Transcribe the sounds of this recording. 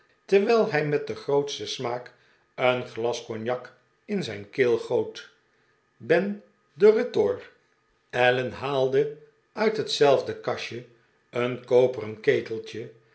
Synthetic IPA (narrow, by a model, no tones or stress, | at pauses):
təʋɛlˠɦɛjmɛt̚dəχrowtstəsmaːk | ənχlɑskɔnjɑk | ɪnzɛjnkɪːlˠχowt | bɛn | dərɪtʊɹ | ɛlənɦaːlˠdə | œɥtɦətsɛlˠvdəkɑʃə | ənkowpərənkejtəlˠt͡ʃə